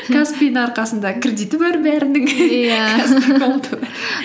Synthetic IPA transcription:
kʰaspʲejnəŋɑɾqɑsənd̪ɑkʰʲred̪ijt̪ɪbɑɾbæɾɪnɪŋjakʰasikolˠt̪ʰə

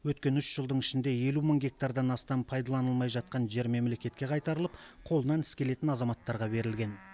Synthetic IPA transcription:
wɵt̪̚kʲe̞nʏʃʒ̥əlˠd̪əɴɪʃɪnd̪e̞je̞luməɴɡʲe̞k̚t̪aɾd̪ɑnɑst̪ɑmpʰɑjd̪ɑlˠɑnəlˠmɑjʒɑt̪̚qɑnʒe̞ɾme̞mle̞kʲe̞t̪kʲe̞qʰɑjt̪ɑɾəlˠəp̚qʰo̞lˠənɑnɪskʲe̞le̞t̪ɪnɑzɑmɑt̪ːɑɾʁɑbe̞ɾɪlɡʲe̞n

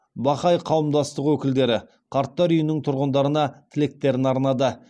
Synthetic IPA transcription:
bɑχɑjqʰɑwəmd̪ɑst̪əqwɵkʲɪld̪e̞ɾɪ | qʰɑɾt̪ːɑɾʏjɪnɪŋt̪ʰʊɾʁənd̪ɑɾənɑt̪ʰɪle̞k̚t̪e̞ɾɪnɑɾnɑd̪ə

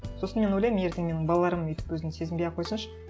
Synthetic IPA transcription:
so̞sənme̞nwojlʲejmje̞ɾd̪ɪŋmenɪŋbɑlˠɑlˠɑɾəmejt̪ɪ̥pwɵzɪnse̞zɪmbejɑqʰo̞jsənʃə̥

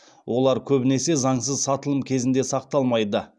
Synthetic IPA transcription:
wʔo̞lˠɑɾkʲʰɵbɪne̞se̞zɑɴsəzsɑt̪əlˠəmkʲʰe̞zɪnd̪e̞sɑq̚t̪ɑlˠmɑjd̪ə

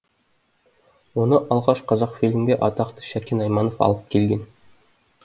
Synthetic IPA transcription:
unɤʔɒlˠʁɑɕqɑzɑqfʲilʲmɡʲeʔɒt̪ɑqt̪ɤ̥ɕækinɑjmɑnŏfɒ̰lˠɤp̚kilɡʲɘn

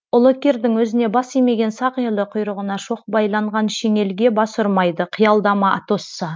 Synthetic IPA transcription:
ʊlˠokʲeɾd̪ɪŋwɵzɪne̞bɑsijme̞ɡʲe̞nsɑqijlˠəqʰʊjɾəʁənɑʃo̞q̚bɑjlˠɑɴʁɑnʃeŋe̞lɡʲe̞bɑsʊɾmɑjd̪əqʰijɑlˠd̪ɑmɑʔɑ̰t̪osːə

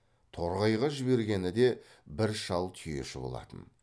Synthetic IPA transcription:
t̪ʰo̞ɾʁɑjʁɑʒɪbe̞ɾɡʲe̞nɪd̪e̞ | bɪɾʃɑlˠt̪ʰʏje̞̰ʃɪbo̞̰lˠɑ̰t̪ə̰n

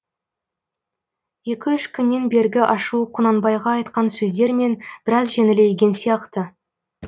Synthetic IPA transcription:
je̞kʲɪʏʃkʲʰʏnːe̞nbe̞ɾɡʲɪʔɑʃuəqʰʊnɑnbɑjʁɑːjt̪qɑnsɵzd̪e̞ɾme̞nb̥ɪɾɑzʒenɪle̞jɡʲe̞nsijɑqt̪ə

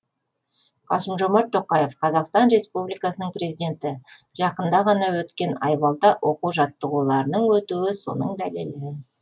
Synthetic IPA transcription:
qʰɑ̰səmʒo̞mɑɾt̪ʰːo̞qɑje̞fqʰɑzɑqst̪ɑnɾe̞spublijkɑsənəɴprezijd̪ʲe̞nt̪ɪ | ʒɑqənd̪ɑʁɑnɑwɵt̪kʲe̞nɑjbɑlˠt̪ɑwo̞quwʒɑt̪ːəʁulˠɑɾənəɴwɵt̪uɪso̞̰nəɴd̪ælelɪ

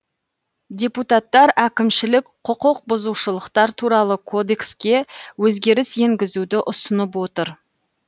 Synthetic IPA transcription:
d̪ʲe̞put̪ɑt̪ːɑɾʔækʲɪmʃɪlɪkqʰʊqʊq̚bʊzuwʃəlˠəqt̪ɑɾt̪ʰuɾɑlˠəkʰo̞d̪e̞kskʲe̞wɵzɡʲe̞ɾɪse̞ŋɡʲɪzud̪ɪʔʊsənəp̬wo̞t̪əɾ

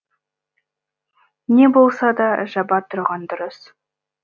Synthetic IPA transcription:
ne̞bo̞lˠsɑd̪ɑʒɑbɑp̚t̪ʰʊɾʁɑnd̪ʊɾəs

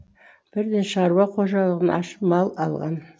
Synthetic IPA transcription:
b̥ɪɾd̪enʃɑɾwɑqʰoʒɑlˠəʁənʔɑ̰ʃə̥pmɑlˠɑ̰lˠʁɑ̰n

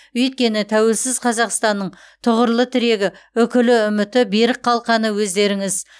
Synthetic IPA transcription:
ɵjt̪̚kʲe̞nɪt̪ʰæwe̞lsɪzqʰɑzɑqst̪ɑnːəɴ | t̪ʰʊʁəɾlˠət̪ʰɪɾe̞ɡʲɪɵkʲɪlɪʏmɪt̪ɪbeɾɪq̚qʰːɑlˠqɑnəwɵzd̪e̞ɾɪŋɪz

